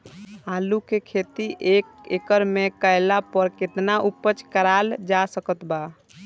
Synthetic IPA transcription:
alukekʰet̪iʔekekəɾmekəɪlapəɾket̪naʔupːət͡ʃkəɾald͡ʒasəkət̪ba

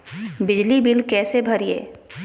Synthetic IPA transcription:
bɪd͡ʒlibɪlkɛːsebʱɐɾiḛː

